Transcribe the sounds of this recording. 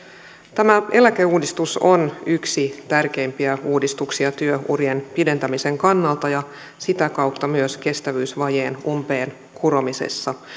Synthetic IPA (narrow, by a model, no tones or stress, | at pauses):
t̪æmæʔe̞læke̞uːdist̪usonyksit̪ærk̟e̞impiæuːdist̪uksiɑt̪yøṵrjenpide̞nt̪æmise̞ŋkɑnːɑlt̪ɑjɑ | sit̪ækɑwt̪ːɑmyøske̞st̪æʋyːsʋɑjeːnumpe̞ːn | kʰuɾo̞misḛsːɑ